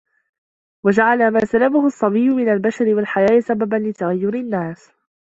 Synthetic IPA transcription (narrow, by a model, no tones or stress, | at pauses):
wad͡ʒaʕalamaːsalamahʊsˤːɑbijːʊmɪnalbaʃaɾɪwalħajaːʔsababanlɪt̪aɣajːʊɾɪnːaːs